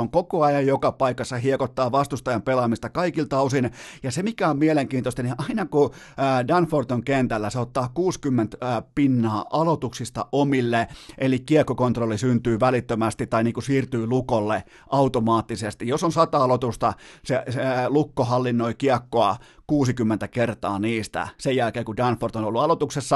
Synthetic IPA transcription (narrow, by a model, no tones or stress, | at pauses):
oŋkokoɑjɑjjokɑpɑikɑsːɑhiekot̪ːɑːʋɑst̪ust̪ɑjɑmpelɑmist̪ɑkɑikilt̪ɑusinjɑsemikæommieleŋkiːnt̪ost̪ɑniʔɑinɑkuː | dɑnfort̪oŋkent̪ælːæseot̪ːɑːkuːskymːent̪ːpinːɑːʔɑlot̪uksist̪ɑ̰ʔomilːeʔelikkiekːokont̪rolːisynt̪yːʋælit̪ːømæst̪it̪ːɑiniːŋkusiːrt̪yːlukolːe | ʔɑut̪omɑːt̪ːisest̪ijjosonsɑt̪ɑɑlot̪ust̪ɑselukːohɑlːinːoikiɑkːoɑ | kuːsikymːent̪ækert̪ɑːniːst̪æ̰sejjælkeːkudɑnfort̪onolːuɑlot̪uksesːɑ